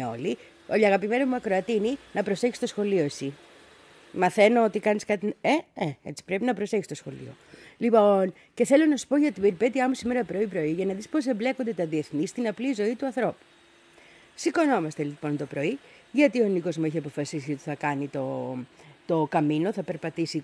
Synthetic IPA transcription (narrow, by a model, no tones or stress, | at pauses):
o̞̰li | oʎɐɣɐpime̞nozmuɐkɾo̞ɐt̪ininɐpɾo̞se̞çi̥st̪osxo̞lio̞esi | mɐθe̞no̞ot̪ikɐniskɐt̪ineeet͡si̥pɾe̞pinɐpɾo̞seçist̪o̞sxo̞̰lḭo̞̰lipo̞n | ce̞θe̞lo̞nɐsu̥po̞ʝɐt̪ibeɾpe̞t̪iɐmusimeɾɐpɾo̞ipɾo̞iʝɐnɐðispo̞s̬e̞mble̞ko̞nd̪e̞t̪ɐðie̞θnist̪inɐplizo̞it̪uɐnθɾo̞pu̥ | siko̞no̞mɐst̪elipo̞nt̪o̞pɾo̞i | ʝɐt̪io̞niko̞zmuiçiɐpo̞fɐsisiot̪i̥θɐkɐnit̪o̞ | t̪o̞kɐmino̞θɐpe̞ɾpɐt̪isi